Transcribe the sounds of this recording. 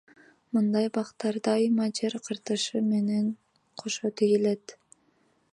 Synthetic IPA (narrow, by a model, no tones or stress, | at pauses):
mɯnd̪ɑjbɑqt̪ːɑɾd̪ɑjɯmɑd͡ʒeɾqʰɯɾt̪ɯʃɯme̞neŋ | qʰoʃot̪ijilet̪